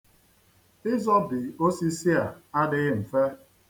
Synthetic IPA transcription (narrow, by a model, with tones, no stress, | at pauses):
ɪ˦zɔ˦bɪ˨o˦si˦si˦a˨a˦dɪ˦ɣɪ˦m̩˨fe˦